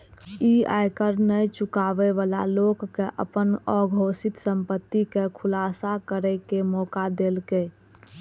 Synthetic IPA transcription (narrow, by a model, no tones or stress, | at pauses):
ia̰jkəɾnət͡ʃʊkaːʋeʋaːla̰loɡːeʔə̰pənɔɡʱoːsɪt̪səmpət̪ːikekʰʊlaːsakəɾɛkemɔːkad̪elke